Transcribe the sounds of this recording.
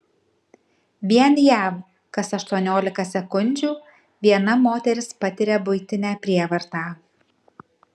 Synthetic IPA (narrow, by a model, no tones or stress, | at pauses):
ʋʲiɛnjæːʋ | kɐsɐʃt̪uɔnʲoːlʲɪkɐsʲɛkʊnʲd͡ʒʲuː | ʋʲiɛnɐmoːt̪ʲɛɾʲɪspɐt̪ʲɪɾʲɛbʊɪt̪ʲɪnʲæːpʲɾʲiɛʋɐɾt̪ɑː